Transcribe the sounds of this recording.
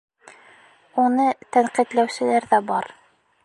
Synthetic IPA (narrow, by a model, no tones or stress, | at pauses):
unɤt̪æɴqit̪læwsɘ̆læɾðæbɑɾ